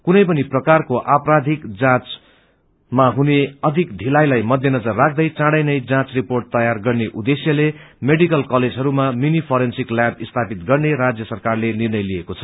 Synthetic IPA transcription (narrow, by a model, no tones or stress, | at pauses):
kunʌjpʌniprʌkarkoʔaprad̪ʱikd͡zãt͡s | maɦuneʌd̪ʱikɖ̪ʱilajlajmʌd̪ʱjʌnʌd͡zʌrːak̚ʰd̪ʌjt͡sãɽʌjnʌjd͡zãt͡sriporʈ̚t̪ʌjarɡʌrneʔud̪esjʌlemeɽikʌlkʌled͡zʱɦʌɾumaminipʰʌɾensikljãpist̪ʰapit̪̚ɡʌrneɾad͡zjʌsʌrkarlenirnʌjlijekot͡sʰʌ̥